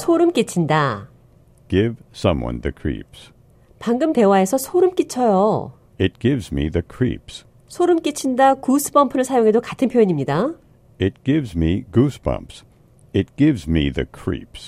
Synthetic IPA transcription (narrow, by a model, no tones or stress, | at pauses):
sʰoɾɯmk͈it͡ɕʰinda | ɡ̥ɪv̥sʌ̃mwʌ̰̃nðɨkʰɹ̥ḭps | paŋɡɯmte̞wae̞sʰʌsʰoɾɯmk͈it͡ɕʰʌjo | ɪt̚ɡ̥ɪvzmiðɨkʰɹ̥ḭps | sʰoɾɯmk͈it͡ɕʰindakusʰɯ̥pʰʌmpʰɯɾɯɭsʰajoŋɦe̞dokatʰɯnpʰojʌɲimɲida | ɪt̚ɡ̥ɪvzmiɡuspʰʌ̰̃mps | ɨt̚ɡ̥ɪvzmiðɨ̰kʰɹ̥ḭps